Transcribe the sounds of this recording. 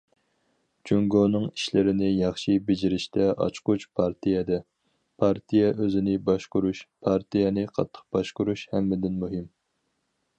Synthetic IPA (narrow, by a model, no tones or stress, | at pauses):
t͡ʃʰyŋɡonɨŋiʃlɪɾɪnɪjɑχʃibɪd͡ʒiɾɪʃt̪ʰɛʔɑ̰t͡ʃqʊt͡ʃpʰɑɾt̪ʰijɛd̪ɛ | pʰɑɾt̪ʰijɛʔøzɪnɪbɑʃqʊɾuʃpʰɑɾt̪ʰijɛnɪqʰɑ̰t̪ʰːə̥q̚b̥ɑʃqʊɾuʃhɛmːɪd̪ɪnmuɦɪm